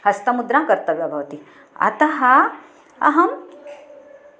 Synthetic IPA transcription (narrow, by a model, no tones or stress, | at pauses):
hɐst̪ɐmud̪ɾãkɐɾt̪ɐʋjabʱɐʋɐt̪i | ɐ̰t̪ɐɦɐ | ɐ̰ɦɐm